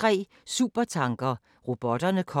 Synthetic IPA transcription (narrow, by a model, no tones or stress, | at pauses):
ʁɛ̰ː | suːb̥ɐt͡sʰɑ̈ŋɡ̥ɐ | ʁo̝b̥ɒ̽d̥ɐnəkʰɒ